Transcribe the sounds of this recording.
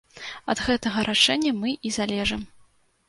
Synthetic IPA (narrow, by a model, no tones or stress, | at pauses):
ɐ̰d̪ɣɛt̪ɐɣɐɾʔaʂɛnʲːɐmɨʔizalʲɛʐɨm